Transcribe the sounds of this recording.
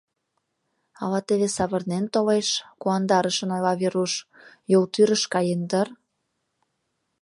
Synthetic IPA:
ɑlɑt̪eβesɑβɤ̆rnent̪oleʃkuɑnd̪ɑɾə̆ʃə̆nojlɑβeɾuʃ | jolt̪yɾəʃkɑjend̪ər

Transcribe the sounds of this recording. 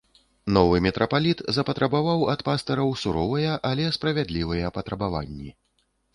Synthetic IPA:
nɔvɨmʲɛt̪ɾʔɐpalʲit̪zɐpɐt̪ɾɐbavawɐt̪past̪ɐɾɐwsuɾɔvɐjɐʔɐlʲɛspɾɐvʲad̪lʲivɐjɐpɐt̪ɾɐbava̰nʲːi

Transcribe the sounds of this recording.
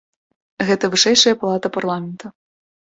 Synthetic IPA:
ɣɛt̪ɐvɨʂɛjʂɐjɐpalˠat̪ɐparlˠamʲɛnt̪ɐ

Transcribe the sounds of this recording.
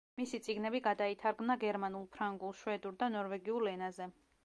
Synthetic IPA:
misit̪sʼiɡnɛbiɡad̪ait̪ʰaɾɡmnaɡɛɾmanulˠpʰɾaŋɡulˠʃwɛd̪uɾd̪anɔɾvɛɡiulɛnazɛ

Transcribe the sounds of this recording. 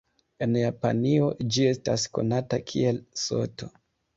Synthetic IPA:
e̞njapa̰nio̞d͡ʒie̞stasko̞̰natakʰie̞lso̞̰to̞

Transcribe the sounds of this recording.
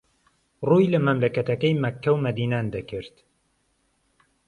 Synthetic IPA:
rujlɐmɐmlɐkɐt̪ɐkɐjmɐkːɐwmɐd̪iːnaːnd̪ɐkɨɾt̪

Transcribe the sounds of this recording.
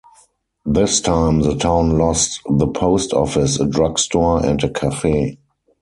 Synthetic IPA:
ðɪstʰãɪ̃mðətʰãʊ̃nlɔstðəpʰoʊstʰɔ̰fɪsədɹaɡstɔɛ̰̃ntəkʰafeː

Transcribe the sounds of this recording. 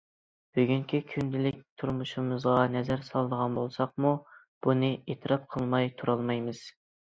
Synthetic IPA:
b̥yɡʲyŋkʲʰikʲʰynd̪ɪlɪk̚ʲt̪ʰuɾmuʃumɨzʁɑnɛzæɾsɑlˠd̪əʁɑnbolˠsɑq̚mu | b̥unɨet̪ʰɨɾɑp̚qʰəlˠmɑjt̪ʰuɾɑlˠmɑjmɨz̥

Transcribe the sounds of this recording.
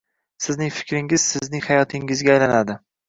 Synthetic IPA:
sɪznɪŋfɪ̥kʲɾɪŋɪz̥sɪznɪŋhajɒt̪ʰɪŋɪzɡʲaːjlanad̪ɪ

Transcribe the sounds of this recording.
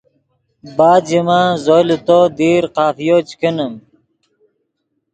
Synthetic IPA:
baːd̪d͡ʑimazolit̪od̪iːɾqaːfijot͡ɕkenəm

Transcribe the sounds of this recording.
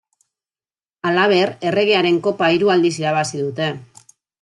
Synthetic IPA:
alaβ̞e̞re̞re̞ɣeaɾe̞ŋko̞paiɾuald̪isiɾaβasiðut̪e̞

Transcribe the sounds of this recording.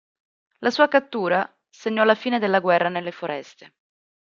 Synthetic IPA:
lasuːakat̪ːuːɾa | seɲːɔlafiːned̪elːaɡwɛrːanelːefoɾɛst̪e

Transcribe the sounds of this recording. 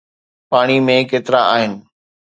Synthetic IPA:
paːɽ̃imẽkeːt̪ɪɾaaːɦɪnɪ̆

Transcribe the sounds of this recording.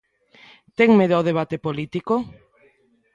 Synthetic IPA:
t̪eŋmeðaðeβ̞at̪epolit̪iko

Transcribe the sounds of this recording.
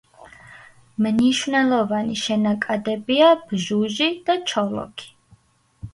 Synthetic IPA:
mniʃvnɛlˠɔvaniʃɛnakʼad̪ɛbiab̥ʒuʒid̪̥at͡ʃʰɔlɔ̰kʰi̥

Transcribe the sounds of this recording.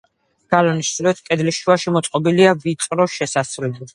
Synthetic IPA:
ɡ̥alɔniʃsɾɛt̪ʰkʼɛd̪liʃuaʃimɔt̪sʼqʼɔbiliavit̪ʼɾɔʃɛsasvlɛbɛ

